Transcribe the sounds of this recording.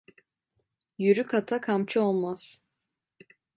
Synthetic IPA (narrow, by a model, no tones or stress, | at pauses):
jyɾykʰat̪ʰakʰamt͡ʃʰɯo̞lˠmaz̥